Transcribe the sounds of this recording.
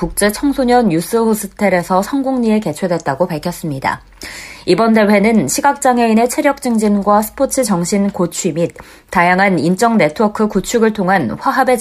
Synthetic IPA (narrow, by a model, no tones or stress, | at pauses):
kuk̚t͡ɕ͈e̞t͡ɕʰʌŋsʰoɲʌnjus͈ɯhos͈ʰɯtʰeɾe̞sʰʌsʰʌŋɡuŋɲie̞ke̞t͡ɕʰwe̞dwe̞t̚t͈aɡopaɭkʰjʌs͈ɯmɲida̰ | ibʌnde̞ɸwe̞nɯnɕʰiɡak̚t͡ɕ͈aŋɦe̞ine̞t͡ɕʰe̞ɾjʌk̚t͡ɕ͈ɯŋd͡ʑinɡwasʰɯ̥pʰot͡ɕʰɯt͡ɕʌŋɕʰinkot͡ɕʰwimit̚ | tːajaŋɦanint͡ɕ͈ʌŋne̞tʰɯwʌkʰɯkut͡ɕʰuɡɯɭtʰoŋɦanɸwaɦabe̞